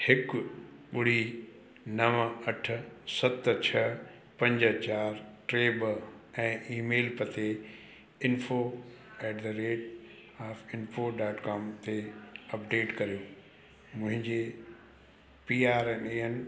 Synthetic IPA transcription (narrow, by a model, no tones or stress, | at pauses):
hɪkɓʊɽ̤i | nɐʋɐʈ̆ʰsɐt̪t͡ɕʰɐ | pɐ̃ɲd͡ʑə̆t͡ɕaːɾʈɾeːbəɛ̃ːʔiːmeːlpət̪e | ɪnfo | ɛːʈd̪əɾeːʈ | aːfɪnfoɖaːʈkaːmt̪eɐpɖeːʈkɐɾijoː | mʊ̃ɦɪ̃ɲd͡ʑe | piːaːɾɛneːen